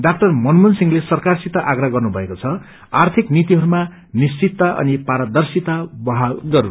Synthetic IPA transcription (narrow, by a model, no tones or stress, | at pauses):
ɖak̚t̪ʌrmʌnmunsiŋlesʌrkarsit̪aʔaɡraɡʌrnubʱʌekot͡sʰʌ | art̪ʰiknit̪iɦʌɾuma | nist͡sit̪ːaʔʌ̰nipaɾad̪ʌrsit̪abʌɦalɡʌɾu